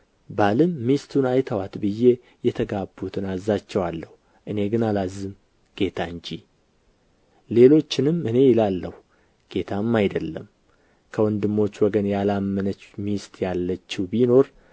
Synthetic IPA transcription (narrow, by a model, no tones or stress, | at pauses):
balɨmːist̪ʰunajt̪ʰəwat̪bɨje̞ | jɛt̪ʰəɡabːut̪ʰɨnazːat͡ʃːɛwalːəhu | ʔɨne̞ɡɨnalazːɨm | ɡ̥e̞t̪ʰaɨɲd͡ʒi | le̞lo̞t͡ʃːɪnɨmɨne̞jɪlalːəhu | ɡ̥e̞t̪ʰamːajd̪əlːə̰m | kʰəwɔnd̪ɨmːo̞t͡ʃːwɔɡənjalamːənət͡ʃːmist̪jalːət͡ʃːɪwbino̞ɾ